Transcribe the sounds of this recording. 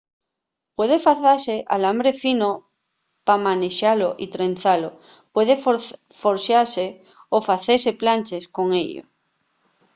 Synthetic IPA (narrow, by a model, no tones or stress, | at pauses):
pwe̞ð̞efaθase̞ʔalambɾe̞fino | pamãneʃaloʔit̪ɾen̟θalo | pwe̞ðe | foɾsjaɾse | ofaθese̞plant͡ʃe̞sko̞ŋeʎo̰